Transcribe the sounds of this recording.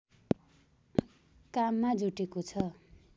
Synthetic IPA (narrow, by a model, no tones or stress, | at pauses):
kamːad͡zuʈekot͡sʰʌ